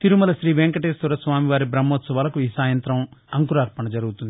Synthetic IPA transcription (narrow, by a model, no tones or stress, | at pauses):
t̪iɾumɐlɐʃɾiːʋeŋkɐʈeːst̪uɾɐsʋaːmiʋaːɾibɾɐmːoːt̪sɐʋaːlɐkuiːsaːjɐnt̪ɾɐmɐŋkuɾaːɾpɐɳɐd͡ʒɐɾuɡut̪und̪i